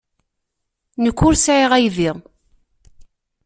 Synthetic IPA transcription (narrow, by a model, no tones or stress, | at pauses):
nəkːʊɾsʕiʁæjðiʁ